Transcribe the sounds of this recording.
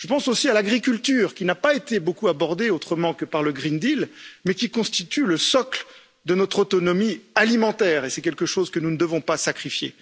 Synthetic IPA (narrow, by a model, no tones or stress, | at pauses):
ʒ̥əpɑ̃sosialaɡʁikʲylt̪yːʁkʲinapaet̪ebokuabɔʁd̪eot̪χəmɑ̃kəpaʁləɡʁind̪ilmɛkʲikɔ̃st̪it̪yləsɔkl | d̪ənɔt̪χot̪ɔnɔmialimɑ̃t̪ɛʁesɛkʲɛlkəʃozkənunəd̪əvɔ̃pasakχifjḛ